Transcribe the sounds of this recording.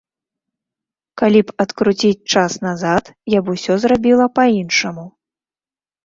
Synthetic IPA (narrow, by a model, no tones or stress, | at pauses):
kalʲipɐt̪kɾut͡sʲit͡sʲt͡ʂasnazat̪jabusʲɔzrabʲilˠɐpainʂɐmu